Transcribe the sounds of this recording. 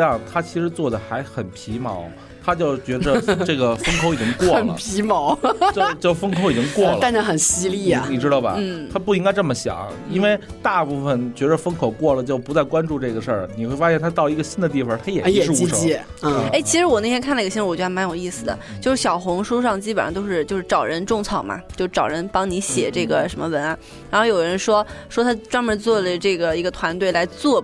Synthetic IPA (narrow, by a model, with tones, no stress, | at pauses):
jɑ˥˩ŋt̪ʰa˥t͡ɕʰi˧˥ʂɻ̩˧˥t͡swɔ˥˩d̪ə˩xa˧˥ɪxə˨˩npʰi˧˥mɑ̰˧˥ʊ | t̪ʰa˥t͡ɕjo˥˩ʊt͡ɕɥɛ˧˥də˧ʈ͡ʂɤ˥˩ɡə˩fə˥ŋkʰo˧˥ʊi˨˩t͡ɕi˥ŋŋkwɔ˥˩ə˨˩nə̰˩pʰi˧˥mɑ˧˥ʊt͡ɕjʊt͡ɕjo˥˩ʊfə˥ŋkʰʊi˨˩t͡ɕi˥ŋkwɔ˥˧˥ləa˥˧ə˥˩xə˨˩nɕi˥li˥˩ɐ̰˩ni˨˩ʈ͡ʂɻ̩˥ɾɑ˧˩bɐ̰˧n̩˥˩t̪ʰa˥pu˥˩i˥ŋka˥ɪʈ͡ʂɤ˥˩mə˩ɕjɑ̰˨˩˦ŋ | i˥nwe˥˧ɪ | t̪a˥˧pu˥˩fə˩nt͡ɕɥɛ˧˥də˧fə˥ŋkʰo˨˩ʊkwɔ˥˩lə˩t͡ɕjo˥˩ʊpu˧˥t͡sa˥˩ɪkwa˥nʈ͡ʂu˥˧ʈ͡ʂɤ˥˩ɡə˩ʂə˥˩ni˨˩xwe˥˩ɪfa˥ɕjɛ˥˩nt̪ʰa˥t̪ɑ˥˩ʊi˧˥ɡə˧ɕi˥˧nd̪ə˨˧t̪i˥˩fə˨˩t̪ʰa˥jɛ˨˩˧ʂɻ̩˥˩˧ʂ | e˥ɪt͡ɕʰi˧˥ʂɻ̩˧˥wɔ˨˩nʰ˥˩jɛ˥kʰnlɡə˩ɕ̩˧˥˧wɔ˨˩t͡ɕɥɛ˧˥˧ma˧˥njo˨˩ʊi˥˩sɹ̩˨˩d̪ə̰˩t͡ɕjo˥˧ʂɻ̩˥˩ɕjɑ˨˩ʊxʊ˧˥ŋʂu˥ʂɑ˥˧ŋt͡ɕi˥p̬ə˨˩ʂt̪o˥ʊʂɻ̩˥˧t͡ɕjo˥˧ʊʂɻ̩˥˧ʈ͡ʂɑ˨˩ʊɻə˧˥nʈ͡ʂʊ˥˧ŋt͡sʰɑ˥˩ʊmɐ̰˩t͡ɕjo˥˧ʊʂ̩˥˩ʈ͡ʂɑ˨˩ʊɻə˧˥npɑ˥ŋni˧˥ɕjɛ˨˩ʈ͡ʂɤ˥˩ɡə˩ʂə˧˥nmə˧wə˧˥nɐ˧ | ɻa˧˥xo˥˩ʊjo˨˩ʊ˩əɻə˧˥nʂwɔ˥ʂwɔ˥t̪ʰa˥ʈ͡ʂwa˥nmə˧˥nt͡swɔ˥˩lə˨˩ʈ͡ʂɤ˥˩ɡə˩i˧˥ɡə˧t̪ʰwa˧˥nt̪we˥˩ɪla˧˥ɪt͡swɔ˥˩